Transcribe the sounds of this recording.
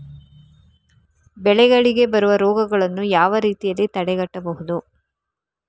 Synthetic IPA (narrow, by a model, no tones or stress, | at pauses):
bɛɭɛɡɐɭiɡe̞bɐɾuʋɐɾɔːɡɐɡɐɭɐnːujaːʋɐɾiːt̪ijɐlːit̪ɐɽɛɡɐʈːɐbɐɦud̪u